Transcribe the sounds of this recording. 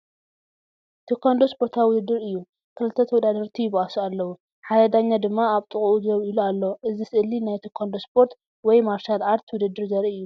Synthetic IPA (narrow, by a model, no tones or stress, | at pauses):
t̪ʰokʰːond̪ospʰoɾt̪ʰaβwʊd̪ɨd̪ːɨɾɨjːu | kʰɨlɨt̪ʰːɐt̪ʰɐwɔd̪ad̪ɐɾt̪ʰijɪβʔasualːɐwu | ħad̪ɐd̪aɲːad̪ɨmːaaβt̪ʼɨχʼuʔuzɨɐβilualːoʔɨzisɨʔɨlːinajt̪ʰokʰond̪o̞spʰo̞ɾt̪ | wɔjmaɾʃalʔaɾt̪ʰwʊd̪ɨd̪ːɨɾzɐɾiɨjːu